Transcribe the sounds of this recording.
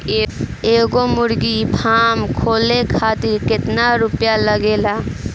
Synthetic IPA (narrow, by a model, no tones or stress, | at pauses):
eːɡomʊɾɡipʰaːmkʰoːlekʰaːt̪ɪɾkɪt̪naɾupjaləɡela